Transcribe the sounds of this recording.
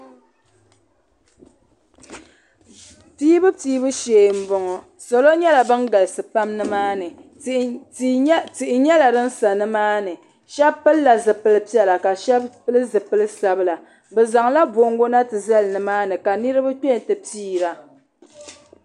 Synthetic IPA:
tiː˦bɨ˦piː˦bɨ˦ʃeː˨m̩˦bɔ˨ŋɔ˨ | so˨lo˦ɲɛ˦la˨bɨ˦nɡa˨lsɨ˨pa˦mnɨ˦maː˦nɨ˨ | ti˨ʔɪ˨ɲɛ˦la˨dɨ˦n˦sa˨nɨ˦maː˦nɨ˨ | ʃɛ˦bpɨ˦lːa˨zɨ˨pɨ˨lɨ˦pi˦ɛ˨la˨ka˨ʃɛ˦bpɨ˦lɨ˦zɨ˨pɨ˦lɨ˦sa˦bɨ˦la˨ | bɛ˨za˨ŋla˦bo˨ŋɡo˦na˦tɨ˨za˦lnɨ˨maː˦nɨ˨ka˨nɨ˦ɾɨ˦bɨ˦k͡pɛ˦n˨tɨ˨piː˦ɾa˨

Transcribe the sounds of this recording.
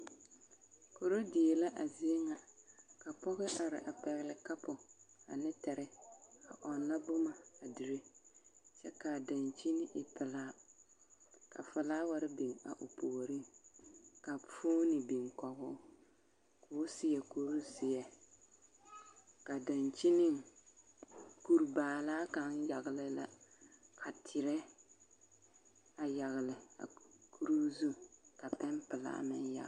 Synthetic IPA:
ko˨ɾo˦dɪ˨e˨la˦ʔa˨zɪ˦e˦ŋa˨ka˨pɔ˦ɣɪ˦ʔa˨ɾɪ̰˨ʔa˨pɛ˨ɣɪ˨lɪ˨ka˦pʊ˨a̰˨nɪ˦tɛ˨ɾɪ˦a̰˨ʔɔ˨nːa˦bʊ˦ma˨a˨dɪ˨ɾe˦ | t͡ʃɛ˦ka˨da˨nt͡ʃi˦nɪ˦ʔɪ˨pʰɪ˨laː˦ | ka̰˨fɪ˨laː˦wa˨ɾɪ˦bi˨ŋa̰˨ʔʊ˨pʰo˨ɾi˦ŋ | ka˨fo˦nɪ˨bi˨ŋkɔ˨ɣʊ˦ | kʰoː˦sɪ˦jɛ˨ku˦ɾu˦sɪ˨jɛ˨ | ka˨da˨nt͡ʃi˦nɪ˦ŋ | ku˦ɾbaː˨laː˦ka˦ŋja˨ɣɪ˨lɨ˦la̰˦kʰa˨tʰɪ˨ɾɛ˦ | a˨ja˨ɣɪ˨lɪ˨a̰˨kʰu˦ɾu˦zu˦ka˨pɛ˦mpɨ˨la̰˦mɪ˦nja̰˨

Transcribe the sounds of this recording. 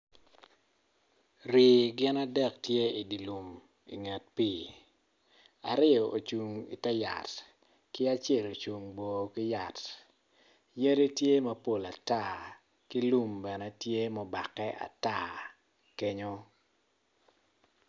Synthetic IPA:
ri˨ɡɪ˦na˦dɛ˨ktje˦i˨di˨lu˨m | ḭ˨ŋa˨t̚pi˦ | a̰˨ɾɪ˦ɔ˨ʔo˨t͡ʃu˨ŋḭ˨tɛ˦ja̰˨t | kɪ˦a˦t͡ʃe˦˨lo˨t͡ʃu˨ŋbo˨kɪ˦ja˨t | je˦ɾe˦tje˦mɐ˨po˨la˨ta˦ | ki˦lu˦mbɛ˨nɛ˦tje˦mɔ˨ba˨kɛ˦ʔa̰˨ta˦˨ | ke˦ɲo˦

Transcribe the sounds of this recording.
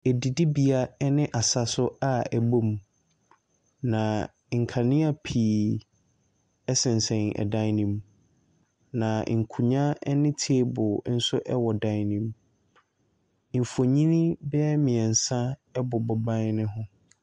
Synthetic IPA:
ɛ˨di˨di˦bi˨a˨ɛ˦nɪ̃˦ʔa˨sa˨sʊ˦a˨ɛ˨bo˦m˨ | nã˨ | ŋ̩˨kʰa˨nɪ̃˦a˨pʰiː˨ | ɛ˦sɪ̃˨n̩˨sɛ̃˨n˨ɛ̰˨dã˦nĩ˨m | nã˨ŋ̩˨kʰu˨ɲã˦ɛ˦nɪ̃˦tʰi˦bʊ˨˦n̩˦sʊ˦ʔɛ˦wɔ˨dã˦nĩ˨m | m̩˨fo˨ɲĩ˦nĩ˦bɛ˦mĩ˨ɛ˨n̩˨sã˦ɛ˦bʊ˨bʊ˨bã˦nɪ̃˦ɦʊ̃˦

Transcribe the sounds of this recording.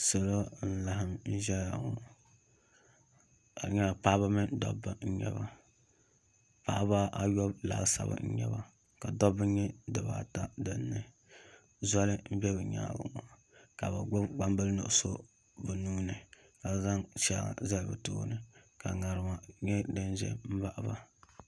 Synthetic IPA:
sɨ˨lo˦n̩˦la˨˦ɦɨ˦mn̩˦ʒɛ˦a̰˨ŋu˦ | a˨ɲɛ˦˨paː˦ba˦mɨ˦dɔ̰˦bːa˦n̩˦ɲɛ̰˦βa˨ | pa˦βa˦ʔa˨˦jɔ˦bla̰ː˦ɡsa̰˦ba̰˦n̩˦ɲɛ̰˦ba˦ | ka˨dɔ˦bɨ˦ɲɛ˦dɨ˨ba˦ta˦dɨ˦nːɨ˦ | zɔ˦lɨ˦m̩˦bɛ˦bɨ˨ɲa̰ː˦˨bʊ̰˨ŋa˨ | ka˨bɨ˨˦ɡ͡ba˦mbɨ˦lnʊ̰˨ʔso˦ | bɨ˨nuː˦nɨ˨ | ka˨za˦ŋt͡ʃa̰˦˨za˦lbɨ˨to̰ː˦nɨ˨ka˨ŋa˨ɾɨ˨ma˨ɲɛ˦dɨ˦nʒɛ̰˦m̩˦ba˦ʔba˨

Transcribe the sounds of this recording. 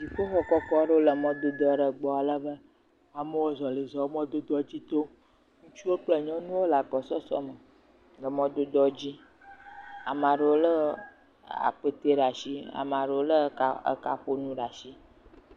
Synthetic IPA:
zi˨ɸo˦xɔ˦kɔ˦kɔ˦ɖə˦wo˦lə˨mɔ̃˦d̪o˦d̪ɔ˦˨ɖə˨ɡ͡bɔ˨a˨lə˦bə˦ | a˨me˦wo˦zɔ˨le˨zɔ˨˦mɔ̃˦d̪o˦d̪ɔ˦d͡ʑi˦t̪o˦ | ŋũ˦t͡ʃu˦wo˦k͡plə˦ɲɔ̃˦nũ˦wo˦la˨k͡pɔ˨sɔ˦sɔ̰˦mə˨ | ɡə˨mɔ̃˦d̪o˦d̪ɔ˦d͡ʑi˦ | a˨mã˨ɖə˨wo˦lə˦ | a̰˨k͡pe˦t̪e˦ɖa˨ʃi˦a̰˨mã˨ɖə˨wo˦lə˦˨ə̰˦ka˨ɸo˦nũ˦ɖa˨ʃi˦

